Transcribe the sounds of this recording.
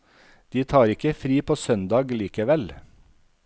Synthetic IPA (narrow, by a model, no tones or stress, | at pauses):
d̪̥iːt̪ʰɑːɾɪkəfɾiːpʰoːsœnd̪ɑːɡliːkəʋɛl